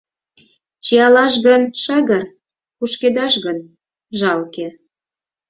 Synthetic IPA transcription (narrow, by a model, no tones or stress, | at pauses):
t͡ɕiɑlɑʃ̬ɣənʃɑɣər | puʃked̪ɑʃɣən | ʒɑlkĕ